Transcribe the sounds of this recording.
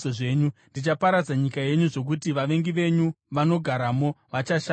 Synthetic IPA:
oʐe̞ːɲundit͡ʃapaɾad͡zaɲikaje̞ɲuʐo̞k̬utiʋaʋe̞ŋɡiʋe̞ɲu | ʋano̞ɡʱaɾamo̞ʋat͡ʃaʃa

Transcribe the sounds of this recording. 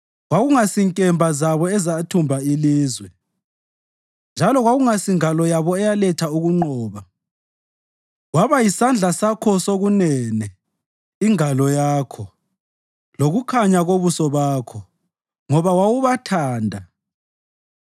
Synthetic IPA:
waɣuŋasiŋkʼɛmbʱazaβɔɛzatʰumbʱailiːzwɛ | nd͡ʒʱalɔɣwaɣuŋasiŋalɔjaβɔɛjalɛtʰauɣuŋ͡ǃɔːβa | waβajisand͡ɮʱasakʰɔsoɣunɛnɛ | iŋalɔjaːkʰɔ | loɣukʰaɲaɣoβusɔβaːkʰɔ | ŋɔβawawuβatʰaːndʱa

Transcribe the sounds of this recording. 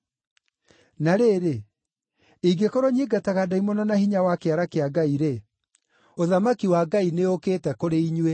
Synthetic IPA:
naɾeːɾe | iɡekoɾɔɲiɡataɣadaimɔnɔnahiɲawakeaɾakeaɡaiɾe | oðamakiwaɡaineokeːtɛkoɾeiɲwe

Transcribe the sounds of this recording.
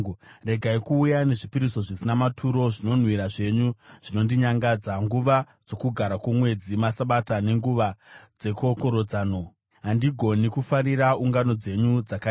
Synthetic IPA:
re̞ɡʱaikuːjane̞ʐipiɾiso̞ʐisinamatʰuɾo̞ʐino̞n̤wiɾaʐe̞ɲuʐ̥ino̞ndiɲaŋɡad͡zaŋɡuʋa | d͡zo̞kuɡʱaɾakwomwe̞d͡zimasaɓatane̞ŋɡuʋad͡ze̞ko̞koɾod͡zaːno | ɦandiɡʱo̞nikufaɾiɾauŋɡano̞d͡ze̞ɲud͡zaka

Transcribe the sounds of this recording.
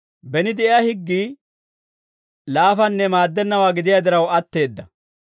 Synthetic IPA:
bɛnɪd̪ɛʔɪjahɪɡːiː | laːfɐnːɛmaːd̪ːɛnːɐwaːɡɪd̪ɪjad̪ɪɾɐwɐt̪ːe̞ːd̪ːɐ

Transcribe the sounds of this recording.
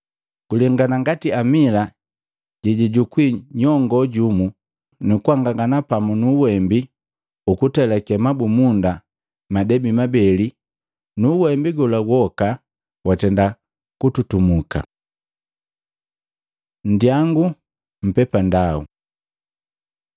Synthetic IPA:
kulɛŋɡanaŋɡatiamila | ɟɛɟiɟukwiɲɔŋɡɔɟumu | nukuaŋɡaŋɡanapamunuwɛmbi | ukutɛlakɛmabumunda | madɛbimabɛli | nuwɛmbiɡɔlaɡwɔka | watɛnda | kututumuka̰ | n̩djaŋɡu | m̩pɛpandaṵ

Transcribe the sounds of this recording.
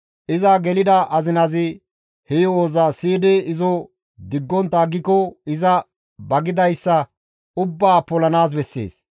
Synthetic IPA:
ʔɪzɐɡɛlɪd̪ɐʔɐzɪnɐzɪ | hɛjɔoːzɐsiːd̪ɛɪzɔ | d̪ɪɡːɔnt̪ːɐːɡːɪkɔɪzɐ | bɐɡɪd̪ɐjsːɐ | ʊbːaːpɔlɐnaːs̬bɛsːḛːs

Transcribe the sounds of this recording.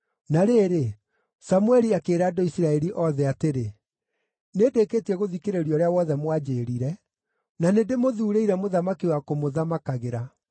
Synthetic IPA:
naɾeːɾe | samuɛɾiakeːɾaːdoisiɾaɛɾiʔɔðɛateɾe | nedeketiɛɣoðikeɾeɾiɔɾeawɔðɛmwad͡ʑeːɾiɾɛ | nanedemoðuːɾeiɾɛmoðamakiwakomoðamakaɣeɾa

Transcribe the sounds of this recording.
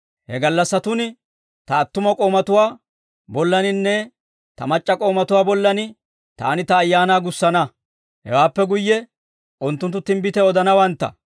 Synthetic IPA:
hɛɡɐlːɐsːɐt̪ʊnɪ | t̪ɐːt̪ːʊmɐkʼo̞ːmɐt̪ʊwaː | bɔlːɐnɪnːɛ | t̪ɐ̰mɐt͡ʃʼːɐkʼo̞ːmɐt̪ʊwaːbɔlːɐnɪ | t̪a̰ːnɪt̪ɐːjːaːnaːɡʊsːɐnɐ | hɛ̰waːpːɛɡʊjːɛ | ʔʊnt̪ːʊnt̪ːʊt̪ːɪmbɪt̪ɛɔd̪ɐnɐwɐnt̪ːɐ̰

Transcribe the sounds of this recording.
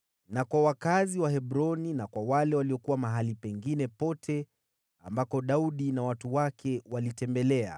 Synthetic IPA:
nakwawakaziwaɦɛɓɾɔninakwawalɛwaliɔkuwamaɦalipɛŋɡinɛpɔtʰɛ | a̰mbakɔɗauɗinawatuwakʰɛwalitɛmbɛlɛa̰

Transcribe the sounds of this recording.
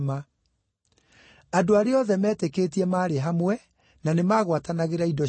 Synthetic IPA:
ma | adoaɾeɔðɛmɛːtekeːt̬iɛmaːɾeɦamwɛ | nanemaːɣwatanaɣeɾaidɔ

